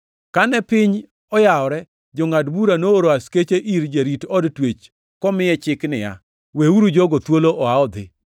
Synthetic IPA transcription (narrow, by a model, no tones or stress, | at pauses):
kanɛpɪɲ | ɔjaɔɾɛ | d͡ʒɔŋadbuɾanooɾoasket͡ʃeʔiɾd͡ʒaɾitɔdtwet͡ʃ | kɔmɪjɛt͡ʃɪknɪja̰ | weuɾud͡ʒoɡot̪woloʔɔaɔd̪ɪ̰